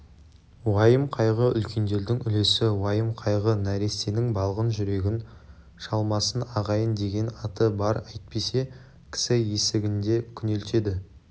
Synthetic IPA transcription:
wɑjəmqʰɑjʁəʏ̰lkʲe̞nd̪e̞ɾd̪ɪŋʏle̞sɪwɑjəmqʰɑjʁənæɾe̞st̪e̞nɪŋbɑlˠʁənʒʏɾe̞ɡʲɪn | ʃɑlˠmɑsənɑʁɑjənd̪e̞ɡʲe̞nɑt̪əbɑɾɑjt̪̚pe̞se̞ | kʲʰɪ̥sɪje̞sɪɡʲɪnd̪e̞kʲʰʏnelt̪e̞d̪ɪ

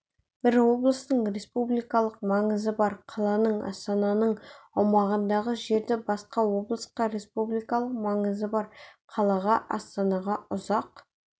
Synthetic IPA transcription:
b̥ɪɾwo̞blˠəst̪əɴɾe̞spublijkɑlˠəq̚mɑɴəzəbɑɾqʰɑlˠɑnəɴɑ̰st̪ɑnɑnəɴɑwmɑʁənd̪ɑʁəʒe̞ɾd̪ɪbɑsqɑwo̞blˠəsqɑɾe̞spublijkɑlˠəq̚mɑɴəzəbɑɾqʰɑlˠɑʁɑʔɑ̰st̪ɑnɑʁɑʊzɑq

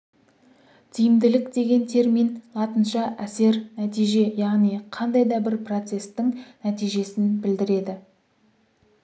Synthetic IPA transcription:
t̪ʰijɪmd̪ɪlɪkd̪e̞ɡʲe̞nt̪ʰe̞ɾminlˠɑt̪ənʃɑʔæse̞ɾnæt̪ijʒe̞jɑʁnijqʰɑnd̪ɑjd̪ɑbɪɾpro̞t̪se̞st̪ɪŋnæt̪ijʒe̞sɪnbɪld̪ɪɾe̞d̪ɪ

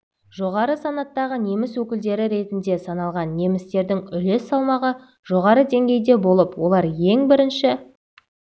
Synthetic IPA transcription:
ʒ̥o̞ʁɑɾəsɑnɑt̪ːɑʁəne̞mɪswɵkʲɪld̪e̞ɾɪɾe̞t̪ɪnd̪e̞sɑnɑlˠʁɑnːe̞mɪst̪e̞ɾd̪ɪŋʏle̞sːɑlˠmɑʁə | ʒ̥o̞ʁɑɾəd̪e̞ŋɡʲe̞jd̪e̞bo̞lˠəpwo̞lˠɑɾje̞ŋbɪɾɪnʃɪ

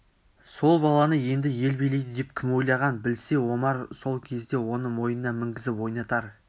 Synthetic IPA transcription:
so̞lˠbɑlˠɑnəje̞nd̪ɪje̞lbejle̞jd̪ɪd̪e̞p̚kʲʰɪmwo̞jlˠɑʁɑnbɪlse̞wo̞mɑɾso̞lˠkʲʰe̞zd̪e̞wo̞nəmo̞jənːɑmɪŋɡʲɪzɪpwo̞jnɑt̪ɑɾ

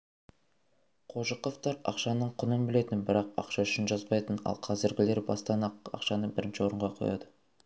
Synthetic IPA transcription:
qʰoʒəqoft̪ɑɾɑ̰qʃɑnəɴqʰʊnəmbɪle̞t̪ɪnbɪɾɑqɑ̰qʃɑʏʃɪnʒɑzbɑjt̪ənɑ̰lˠqʰɑzɪɾɡʲɪle̞ɾbɑst̪ɑnɑqɑ̰qʃɑnəbɪɾɪnʃɪwo̞ɾəɴʁɑqʰojɑ̰d̪ə

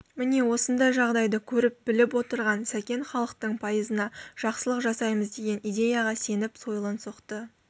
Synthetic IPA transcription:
mɪne̞wo̞sənd̪ɑjʒɑʁd̪ɑjd̪əkʲʰɵɾɪp̚bɪlɪpwo̞t̪əɾʁɑnsækʲe̞nχɑlˠəqt̪əɴpʰɑjəzənɑʒ̥ɑqsəlˠəqʒɑsɑjməzd̪e̞ɡʲe̞nijd̪ʲe̞jɑʁɑse̞nɪpso̞jəlˠənsoqt̪ə

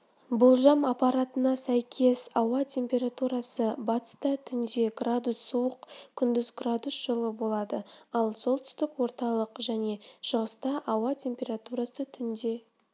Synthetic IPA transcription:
bolˠʒɑmɑpɑɾat̪ənɑsæjkʲʰe̞sɑwɑt̪ʲʰe̞mpʲe̞ɾat̪uɾɑsəbɑt̪ə̥st̪ɑt̪ʰʏnd̪e̞ɡrad̪usːuwəqkʲʰʏnd̪ʏzɡrad̪usʒ̥əlˠəbo̞lˠɑd̪əɑlˠso̞lˠt̪ʰʏ̥st̪ɪkwo̞ɾt̪ɑlˠəqʒæne̞ʃəʁəst̪ɑʔɑwɑt̪ʲʰe̞mpʲe̞ɾat̪uɾasət̪ʰʏnd̪e̞

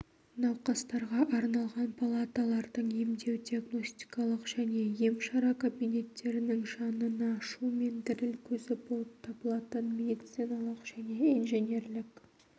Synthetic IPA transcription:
nɑwqɑst̪ɑɾʁɑʔɑɾnɑlˠʁɑnpʰalˠat̪alˠɑɾd̪əɴemd̪e̞wd̪ʲiaɡno̞sʲt̪i̥kɑlˠəqʒ̥æne̞je̞mʃɑɾɑkʰobinʲe̞t̪ːe̞ɾɪnɪŋʒɑnənɑʃume̞nd̪ɪɾɪlkʲʰɵzɪbo̞lˠəp̚t̪ʰɑbəlˠɑt̪ənme̞d̪itt̪sinɑlˠəqʒ̥æne̞inʒenʲe̞ɾlɪk

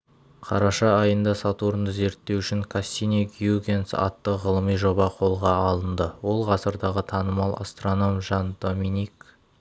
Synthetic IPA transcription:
qʰɑɾɑʃɑːjənd̪ɑsɑt̪uɾənd̪əze̞ɾt̪ːe̞wʏʃɪŋkʰasʲinʲeɡʲjuɡʲe̞nsɑ̰t̪ːəʁəlˠəmijʒo̞bɑqʰo̞lˠʁɑɑlˠənd̪əwo̞lˠʁɑsəɾd̪ɑʁət̪ʰɑnəmɑlˠa̰st̪ro̞no̞mʒɑnd̪o̞minʲik

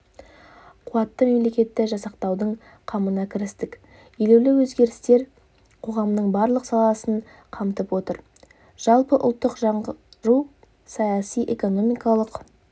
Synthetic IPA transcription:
qʰuɑt̪ːəme̞mle̞kʲe̞t̪ːɪʒɑsɑqt̪ɑwd̪əɴ | qʰɑmənɑkʲʰɪɾɪst̪ɪk | jelewlɪwɵzɡʲe̞ɾɪst̪e̞ɾ | qʰo̞ʁɑmnəɴbɑɾlˠəqsɑlˠɑsəɴ | qʰɑmt̪əpwo̞t̪əɾ | ʒ̥ɑlˠpəʔʊlˠt̪ːəqʒɑɴʒuw | sɑjɑsijʔe̞ko̞no̞mijkɑlˠəq

